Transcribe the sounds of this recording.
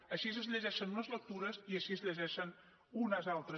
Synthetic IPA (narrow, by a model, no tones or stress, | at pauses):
əʃizəzʎʲəʒɛʃənunəzlək̚t̪uɾəziəʃiəzʎəʒɛʃən | unəzalˠt̪ɾə